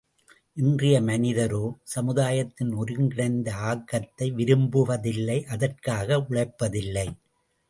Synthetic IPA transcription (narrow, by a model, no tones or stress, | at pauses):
ʔɪndrɪjɐmɐnɪðɐɾoːsɐmɯðaːjɐt̪ːɪnɔɾɯŋɡɪɽɐɪnd̪ɐaːkːɐt̪ːɐɪʋɪɾɯmbɯʋɐðɪlːɐɪʔɐðɐrkaːɣɐʊɭɐɪpːɐðɪlːɐɪ